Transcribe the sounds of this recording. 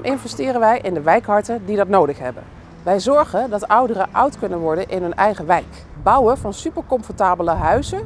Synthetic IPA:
mʔɪnvɛstɪːrənʋɛjʔɪndəʋɛjkɦɑɹtədidɑtnowdəχɦɛ̰bə̰n | ʋɛjzɔɹχəndɑtʌwdərəʔʌwtkɵnənʋɔɹdənʔɪnɦɵnɛjχəʋɛjk | bɑwəvɑnsypəɹkɔmfɔɹtaːbələɦœɥzə

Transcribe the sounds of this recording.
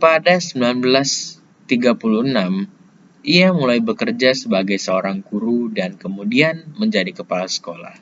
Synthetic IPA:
padasəmbilanbəlas | t̪iɡapulunam | ʔiamulajbəkərd͡ʒasəbaɡajsəoɾaŋkuɾudankəmudianməɲd͡ʒadikəpalasə̥kola̰h

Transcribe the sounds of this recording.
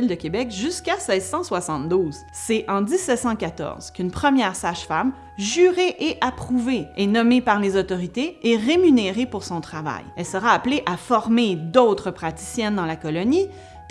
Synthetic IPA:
ld̪əkʲebɛkʒyskʲasɛːzsɑ̃swasɑ̃t̪̚d̪uːz | sɛʔɑ̃d̪isːɛt̪sɑ̃kʲat̪ɔ̰ʁz̥kʲynpχəmjɛːʁsaʒfam | ʒyʁeʔeʔapχuveenɔmepaʁlezɔt̪ɔʁit̪eɛʁemyneʁepuʁsɔ̃t̪χava̰jɛlsəʁaːpleʔafɔʁmed̪ɔt̪χəpχat̪i̥sjɛnd̪ɑ̃lakɔlɔni | t̪

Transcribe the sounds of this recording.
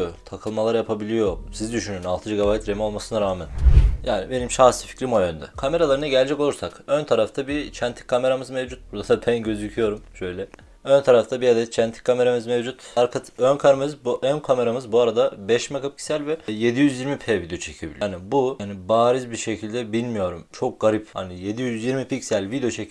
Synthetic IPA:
t̪ʰakʰɯlˠmalˠaɾjapʰabilʲijo̞sizid̪yʃynyynalˠt̪ʰɯd͡ʒiɡabajt̪ɾemio̞lˠmasɯnaɾaːmænjaːnibe̞nimʃasi̥fi̥clʲimojønd̪ɛkʰame̞ɾalˠaɾɯnaɟɛlʲd͡ʒɛko̞lˠuɾsakønt̪ʰaɾaft̪ʰabit͡ʃʰɛnt̪ʰi̥kʰːame̞ɾamɯzmevd͡ʒut̪̚buɾd̪ad̪apʰænɟø̞zycʰyjo̞ɾumʃø̞jlʲɛ | ønt̪ʰaɾaft̪ʰabiad̪ɛt̪t͡ʃʰænt̪ʰi̥kʰːame̞ɾamɯzmevd͡ʒut̪aɾkʰat̪ʰønkʰaɾamɯzbuʔønkʰame̞ɾamɯzbuaɾad̪abɛʃmekʰapʰi̥cʲsælʲvɛje̞d̪ijyzjiɾmipʰeːvid̪eot͡ʃʰecʰibḭlʲnibuanibaːɾizbiɾʃe̞cʰilʲd̪ɛbilʲmijo̞ɾumt͡ʃʰo̞k̚ɡaɾipha̰nije̞d̪ijyzjiɾmipicsælʲvid̪ejo̞t͡ʃʰecʰ

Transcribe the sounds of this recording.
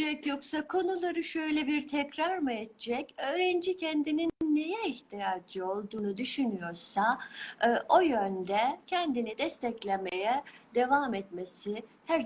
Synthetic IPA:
ɛcjo̞ksakʰo̞nulˠaɾɯʃø̞jlʲɛbiɾt̪ʰɛcɾaɾmɯɛt̪ʰt͡ʃɛcø̞ːɾɛnd͡ʒicʰɛnd̪ininːejɛiçt̪ʰijaːd͡ʒɯo̞lˠd̪uːnud̪yʃynyjo̞ɾsa | ʔo̞jønd̪ɛcʰɛnd̪inid̪ɛst̪ʰɛclʲemejɛd̪e̞vamɛt̪mesihæɾ

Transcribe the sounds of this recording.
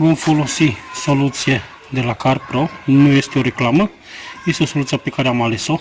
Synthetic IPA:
bomfolosisolut̪t͡sie | d̪elakaɾpɾonujest̪ioɾeklamə | ist̪osolut̪t͡siapekaɾeamaleso

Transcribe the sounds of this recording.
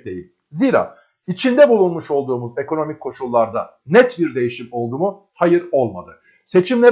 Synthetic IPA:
d̪ejḭlʲ | ziːɾa̰ː | it͡ʃʰind̪ɛbulˠunmuʃo̞lˠd̪uːmuze̞kʰo̞no̞micʲʰːo̞ʃulˠːaɾd̪a̰ | nɛt̪biɾd̪e̞jiʃimo̞lˠd̪uːmu | hajɯɾo̞lˠma̰d̪ɯ | se̞t͡ʃʰimlʲe

